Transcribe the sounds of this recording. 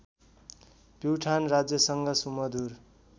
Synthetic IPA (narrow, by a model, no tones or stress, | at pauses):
piwʈʰanrad͡zjʌsʌŋɡʌsumʌd̪ur